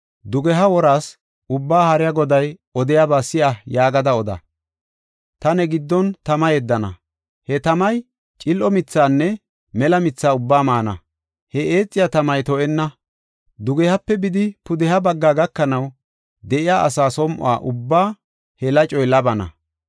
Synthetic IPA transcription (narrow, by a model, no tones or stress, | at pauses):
d̪ʊɡɛɦɐwɔɾaːs | ʊbːaːhɐɾɪjɐɡɔd̪ɐjɔd̪ɪjabaːsɪʔɐjaːɡɐd̪ɐɔd̪ɐ̰ | t̪ɐnɛɡɪd̪ːɔnt̪ɐmɐjɛd̪ːɐnɐ̰ | hɛt̪ɐmɐj | t͡ʃʼɪlʔɔmɪt͡sːaːnːɛ | mɛlɐmɪt͡sːaːʊbːaːmaːnɐ̰ | hɛʔeːt͡sʼːɪjat̪ɐmɐjt̪ɔʔɛnːɐ | d̪ʊɡɛhɐpːɛbɪd̪ɪpʊd̪ɛhɐbɐɡːaːɡɐkːɐnɐw | d̪ɛʔɪjaːʔɐ̰saːsɔmʔʊ̰a̰ːʔʊbːaː | hɛlɐt͡ʃʼɔjlɐbɐnɐ̰